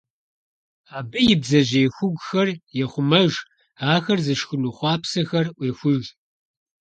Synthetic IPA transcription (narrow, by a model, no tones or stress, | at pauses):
aːbɨjɪbzɐʑeːxʷʊɡʷxɐrjɛχʷʊmɐʒ | aːxɐrzɨʃxʊnuːχʷɑːpsɐxɐrʔʷeːxʷʊʒ